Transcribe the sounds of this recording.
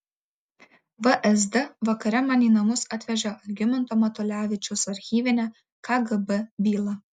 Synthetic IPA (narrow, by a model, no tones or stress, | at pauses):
ʋəʔɛs̬d̪ɨʋɐkɐɾʲɛmɑːnʲiːnɐmʊsɑt̪ʲʋʲɛʒʲɛɐlʲɡʲɪmʲɪnt̪oːmɐt̪ɔlʲæːʋʲɪt͡ʃʲʊsɐɾʲxʲiːʋʲɪnʲɛ | kʰɐɡɨbəbʲiːlˠɐ